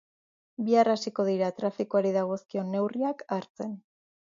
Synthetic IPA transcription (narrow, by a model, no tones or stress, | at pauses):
biarasiko̞ð̞iɾat̪ɾafikoaɾiðaɣ̞o̞skio̞ne̞wriakaɾt͡se̞n